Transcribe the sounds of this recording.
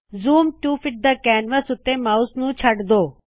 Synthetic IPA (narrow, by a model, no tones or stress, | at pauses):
zuːmʈuːpʰɪʈ̚d̪aːkɛːnʋəsʊt̪ːeːmaːʊsnũːt͡ʃʰəɖd̪oː